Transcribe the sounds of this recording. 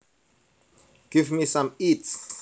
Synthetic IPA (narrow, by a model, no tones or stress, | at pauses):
ɡ̥ɪvmisãmits